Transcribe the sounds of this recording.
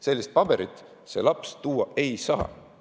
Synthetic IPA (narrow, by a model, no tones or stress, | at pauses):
se̞lʲːist̪̚pɑbe̞ɾit̪ːˑ | se̞̰lɑpst̪uːɑe̞jsɑ̰ː